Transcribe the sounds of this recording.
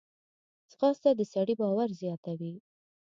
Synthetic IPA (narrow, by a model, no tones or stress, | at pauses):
sxɑst̪ad̪əsaɽibɑwaɾzjɑt̪awi